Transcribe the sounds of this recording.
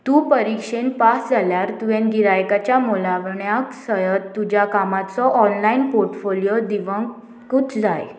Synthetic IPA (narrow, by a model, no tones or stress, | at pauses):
t̪uːpəɾikʂenpasd͡zʱaljaɾt̪uẽnɡiɾajkat͡ɕjamolaʋɳjaksəjətt̪ːud͡ʑjakamat͡sɔʔɔnlainpoɾʈfoljod̪iʋəŋɡ | kut͡sd͡zaj